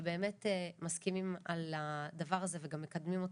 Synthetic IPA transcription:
be̞ːme̞temaskimimalad̪avaʁazeveɡamːekad̪mimot

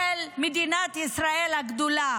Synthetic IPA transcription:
elmid̪inat̪isɾaelɐɡd̪ula

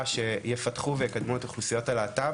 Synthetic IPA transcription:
ʃe̞jefɐtχuvejekad̪muet̪aχlusijo̞talaːta

